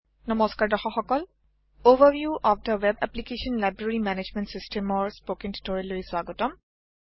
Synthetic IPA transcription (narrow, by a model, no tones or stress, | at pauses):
nɔmɔskaɹdɔxɔxɔkɔl | oʋəɹʋjuʔɔfdəwɛbɛplikeʃɔnlajbɹaɹimɛned͡ʒmɛ̃ntsistʰɛmɔɹspokĩnti̥toɹiluisbaɡɔtɔm